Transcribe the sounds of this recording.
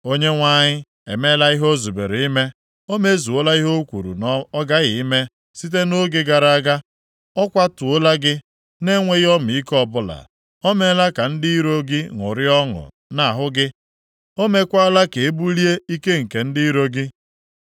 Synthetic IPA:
o˦ɲe˦ŋʷa˦ɲɪ˦ | ḛ˨me˦la˦i˦ɦo˦zu˨bḛ˨ɾe˨i˦me˦ | o˦me˦zu˨o˦la˦i˦ɦo˦kʷu˨ɾṵ˨nɔ˦ɡa˦ɣɪ˨i˦me˦ | si˦t̬e˦no˦ɡe˦ɡa˨ɾa˨a˦ɡa˦ | ɔ˦kʷa˦tʊ˨o˦la˦ɡɪ˦ | ne˦ŋʷe˦ɣɔ˦m̩˨i˦kɔ˦bʊ˦la̰˨ | ɔ˦me˦la˦ka˨n̩˦dɪ˦i˦ɾo˦ɡɪ˦ŋʊ̰˨ɾɪ˦ɔ˦ŋʊ̰˨ | na˨ɦʊ˦ɡɪ˦ | o˦me˦kʷa˦a˦la˦ke˨e˦bu˦li˦e˦i˦ke˦ŋ̩˨ke˨n̩˦di˦i˦ɾo˦ɡɪ˦

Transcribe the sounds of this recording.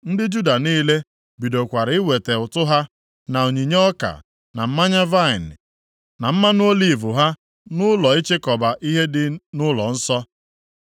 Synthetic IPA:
n̩˦dɪ˦d͡ʒu˦da˨niː˦le˦ | bi˨do˨kʷa˨ɾɪ˦we˨te˨ʊ˨tʊ˦ɦa˦ | na˨o˨ɲi˨ɲɔ˦ka̰˨ | na˨m̩˦ma˦ɲa˦va˦˨ɪ˨n˨ | na˨m̩˦ma˦n˦o˦li˦˨vʊ˨ɦa˦ | nʊ˦lɔ˨ɪ˦t͡ʃe˦kɔ˨ba˨ʔi˦ɦe˦dɪ˨nʊ˦lɔ˨n̩˦sɔ˦

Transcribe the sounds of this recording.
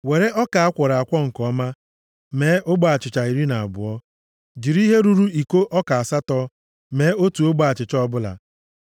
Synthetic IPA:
we˨ɾe˦ʔɔ˦ka˨a˦kʷɔ˨ɾa˨a˨kʷɔ˦ŋ̩˨kɔ˨ɔ˦ma˦ | meː˨˦o˦ɡ͡ba˦a˨t͡ʃɪ˨t͡ʃa˨i˨ɾi˦na˨a˨bʊ̰˨ɔ˦ | d͡ʒi˨ɾi˦ɦe˦ɾu˦ɾu˦i˨ko˦ʔɔ˦ka˨a˨sa˦tɔ˦ | me˨˦o˦tu˨o˦ɡ͡ba˦a˨t͡ʃɪ˨t͡ʃɔ˦bʊ˦la̰˨

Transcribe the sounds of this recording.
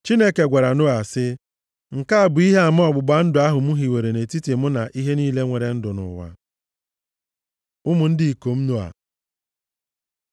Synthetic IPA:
t͡ʃi˦ne˦ke˨ɡʷa˨ɾa˨nʊ˦a˨sɪ˦ | ŋ̩˨ka˦a˨bʊ˨˦i˦ɦe˦a˨m˦ɔ˨ɡ͡bʊ˨ɡ͡ba˦n̩˦dʊ˨˦a˦ɦʊ˨mʊ˦ɦi˨we˨ɾe˨ne˨ti˦ti˨mʊ˦na˨ʔi˦ɦe˦niː˦le˦ŋʷe˨ɾe˨n̩˦dʊ˨nʊ̰˨wa̰˨ | ʊ˦mʊ˨n̩˦dɪ˨i˨ko˨m̩˦no˨a̰˨

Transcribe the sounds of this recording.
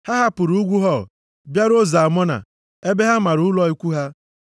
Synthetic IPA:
ha˦ɦa˦pʊ˨ɾu˦ɡʷu˦ɦɔ̰˦˨ | bja˦ɾo˦za˨a˨mɔ˦na̰˨ | e˦be˦ɦa˦ma˨ɾu˦lɔ˦i˦kʷu˦ɦa˦

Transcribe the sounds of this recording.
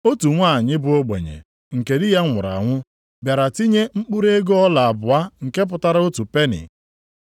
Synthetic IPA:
o˦tu˨ŋʷa˦˨a˨ɲɪ˦bʊ˦o˦ɡ͡bḛ˨ɲḛ˨ | ŋ̩˨ke˨dɪ˦ja˦ŋʷʊ˨ɾa̰˨ŋʷʊ˦ | bja˨ɾa˨ti˦ɲe˦ŋ͡m̩˦k͡pu˦ɾe˦ɡɔ˦la˨a˨bʊ˨a˦ŋ̩˨ke˦p̬ʊ˨ta˦ɾa˦o˦tu˨pe˦nɪ̰˨

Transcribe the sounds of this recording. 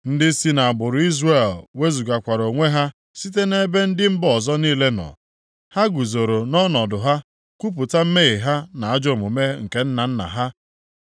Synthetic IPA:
n̩˦dɪ˦si˦na˨a˨bʊ˨ɾʊ˨i˦zre˦˨lwe˦zu˨ɡa˨kʷa˨ɾo˨ŋʷe˦ɦa˦ | si˦t̬e˦ne˦be˦n̩˦dɪ˦m̩˦bɔ˨zɔ˦niː˦le˦nɔ̰˨ | ha˦ɡu˨zo˨ɾo˨nɔ˦nɔ˨dʊ˨ɦa˦ | kʷu˦p̬ʊ˨ta˦m̩˦me˦ɣɪ˨ɦa˦na˨a˦d͡ʒo˦˨mu˨me˦ŋ̩˨ke˦n̩˦na˨n̩˦na̰˨ɦa˦

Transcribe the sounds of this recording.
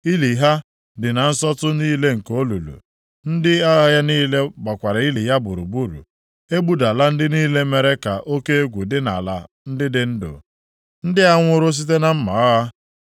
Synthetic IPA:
i˦li˨ɦa˦ | dɪ˨na˨n̩˦sɔ˦tʊ˦niː˦le˦ŋ̩˨ko˦lu˨lṵ˨ | n̩˦dɪ˦a˦ɣa˨ja˦niː˦le˦ɡ͡ba˨kʷa˨ɾa˨i˦li˨ja˦bʊ˨ɾṵ˨bu˦ɾṵ˨ | e˦ɡ͡bu˦da˨la˦n̩˦dɪ˦niː˦le˦me˨ɾe˦ka˨ʔo˦ke˦e˦ɡʷu˨dɪ˦na̰˨la̰˨ | n̩˦dɪ˦dɪ˨n̩˦dʊ̰˨ | n̩˦dɪ˦a˦ŋʷʊ˦ɾʊ˦s̬i˦t̬e˦na˦m̩˦ma˨˦ɣa˦

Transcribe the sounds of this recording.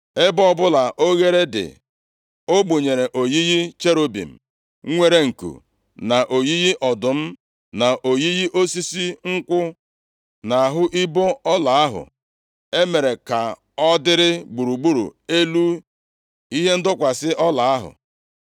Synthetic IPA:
ɪ˦bɔ˦bʊ˦la˨ʔo˦ɣe˦ɾe˦dɪ̰˨ | o˦ɡ͡bu˨ɲe˨ɾe˨ʔo˨ji˦ji˦t͡ʃe˦ɾo˦bḭ˨m̩˨˦ | ŋʷe˦ɾe˦ŋ̩˨kṵ˨ | na˨ʔo˨ji˦ji˦ʔɔ˨dʊ˨m̩˦ | na˨ʔo˨ji˦ji˦ʔo˦si˦si˦ŋ̩˦kʷʊ˦ | na˨ɦʊ˦ʔi˦bo˦ɔ˦la˨a˦ɦʊ̰˨ | e˦me˨ɾe˨ka˨ | ɔ˦dɪ˦ɾɪ˦ɡ͡bu˨ɾu˨ɡ͡bu˦ɾṵ˨e˦lu˦ | i˦ɦe˦n̩˦dʊ˦kʷa˨sɪ˦ʔɔ˦la˨a˦ɦʊ̰˨

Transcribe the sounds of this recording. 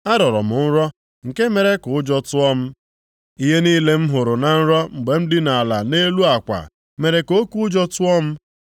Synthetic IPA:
a˦ɾɔ˨ɾɔ̰˨mʊ˨n̩˦ɾɔ˦ | ŋ̩˨ke˦me˨ɾe˦kʊ˨ʊ˦d͡ʒɔ˦tʊ˦ɔ˦m̩˦ | i˦ɦe˦niː˦le˦m̩˦ɦʊ˨ɾʊ˨na˨n̩˦ɾɔ˦ŋ͡m̩˨ɡ͡be˨m̩˦dɪ˦na˨a˨la̰˨ne˦lu˦a˨kʷa̰˨ | me˨ɾe˨ko˦ku˦ʊ˦d͡ʒɔ˦tʊ˦ɔ˦m̩˦

